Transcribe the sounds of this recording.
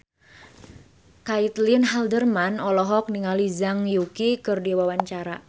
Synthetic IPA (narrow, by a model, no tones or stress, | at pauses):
kait̪linɦaldərmanɔlɔɦɔk̚niŋalizaŋjukikɨrdiwawaɲt͡ʃaɾa̰